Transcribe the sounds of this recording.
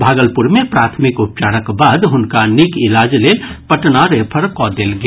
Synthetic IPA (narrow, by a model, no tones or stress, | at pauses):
bʱaɡəlpuɾmepɾat̪ʰmikup̚t͡ʃaɾəkbad̪ɦunkanikilad͡ʒlelpəʈnaɾepʰəɾkɔd̪elɡe